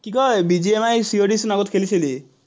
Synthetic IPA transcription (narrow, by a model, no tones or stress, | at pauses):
kikɔebid͡ʒiemajsioɖisnaɡɔt̪kʰelit͡ʃʰili